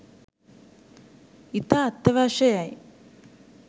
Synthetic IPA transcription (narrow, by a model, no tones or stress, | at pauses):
it̪aːt̪ːɐʋaːʃɐjaj